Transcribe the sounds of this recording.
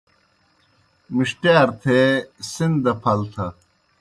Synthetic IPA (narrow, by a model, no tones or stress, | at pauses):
miʂʈjaːɾt̪ʰeːsind̪ɐpʰɐlt̪ʰɐ